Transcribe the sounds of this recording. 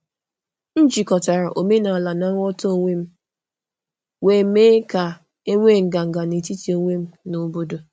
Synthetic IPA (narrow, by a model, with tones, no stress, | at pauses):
n̩˦d͡ʒi˨kɔ˨ta˨ɾa˨ʔo˨me˦na˨a˨la˨na˦ŋɔ˦to˦o˦˨ŋʷe˦m̩˦ | we˨meː˦ka˨ | e˦ŋʷe˦˨ŋ̩˨ɡa˨ŋ̩˨ɡa˨ni˨ti˦ti˨˦o˦ŋʷe˦m̩˦no˨bo˦do˨